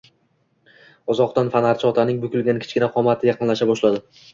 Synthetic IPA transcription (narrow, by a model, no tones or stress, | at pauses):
ɒzɒqt̪anfanaɾt͡ʃʰɒt̪ʰanɪŋbʊkʲʊlɡʲankʲʰɪ̥t͡ʃkʲɪnaqʰɒmat̪ʰɪjɑqʰɨnlaʃabɒʃlad̪ɪ